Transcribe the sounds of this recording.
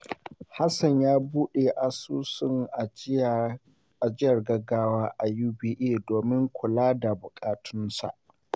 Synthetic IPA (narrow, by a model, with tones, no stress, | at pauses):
ha˦sɐ˨ɲjaː˦buː˦ɗe˨ʔa˨suː˦sɪ˦ŋʔa˨ | ʔa˨d͡ʒɪ˦jɐ˨rɡɐ˦ɡaː˦waː˦ʔa˨juː˦biː˦ʔeː˦˨doː˨mɪ˦ŋkʷʰʊ˨laː˦da˨bʊ˨kʼaː˨tʰʊ˦nsa̰˨ʔ